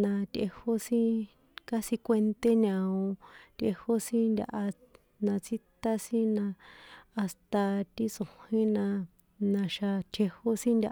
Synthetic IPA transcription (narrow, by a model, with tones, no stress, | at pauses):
nã˧t̪ʲʔe˧ho˦sĩ˦ | ka˦sĩ˧kʷe˧nt̪e˦ɲã˧õ˧t̪ʲʔḛ˧ho˦sĩ˦nd̪ʲa̰˧ʔa˧ | nã˧t͡si˦t̪a˦sĩ˦nã˧a˧st̪a˧t̪i˦t͡so˨hĩ˦nã˧ | nã˧ʃa˧t̪ʰe˧ho˦sĩ˦nd̪ʲa˧